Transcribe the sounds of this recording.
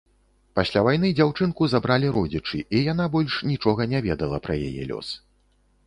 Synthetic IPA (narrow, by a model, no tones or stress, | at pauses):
pasʲlʲavajn̪ɨd͡zʲawt͡ʂɨnkuzabɾalʲiɾɔd͡zʲit͡ʂɨʔijan̪abɔlʲʂnʲit͡ʂɔɣɐnʲavʲɛd̪ɐlˠɐpɾɐja̰jɛ̰lʲɔ̰s